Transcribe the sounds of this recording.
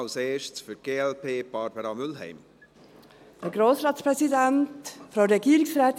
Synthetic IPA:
ʊseːʃsfyɾɡ̥eːɛlpʰeːb̥ɑɾbəɾɑmʏlɦɛ̰ɪm | d̥əɡɾoːsɾɑːtspɾɛsidæntfɾaʊɾɛɡiːəɾɪksrɛːt̪

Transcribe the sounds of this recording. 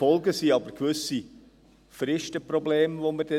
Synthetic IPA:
ɔlɡəsiːɑbəɾkʋʏsi | fɾɪʃtəprobleːmvoməd̥ɛ

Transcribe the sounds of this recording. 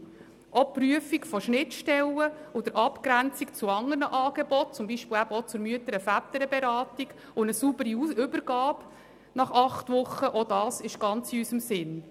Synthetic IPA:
ʔɔpɾyəfikfɔʃnɪtʃtɛləɔd̥̪əɾʔɑpkɾænt͡sikt͡suɑŋərnəʔɑːɡ̥ɛbɔt̚t͡sʊmbiːʃpɪlæbɔt͡sʊɾmyətəɾəfæt̪əɾəbɛɾɑːtik | ʊnəsubəɾiʏbəɾɡ̥ɑːb | nɑχɑχtʋʊχːəʔɔdɑːsɪʃɡ̥ɑnt͡siysəmsɪn

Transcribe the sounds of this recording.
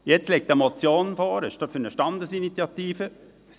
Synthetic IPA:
jɛt͡slɛk̚təmot͡sjoːnfɔːɾəʃtɑfyɾnəʃtɑnd̪əsinit͡sjɑt̪iːfə

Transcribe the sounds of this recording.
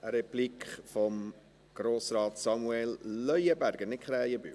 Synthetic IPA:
ʔəɾɛplikχfɔm | ɡ̥ɾoːsrɑːtsɑmuɛlːœjəbæɾɡ̥ənɪkχɾɛːjəby̰

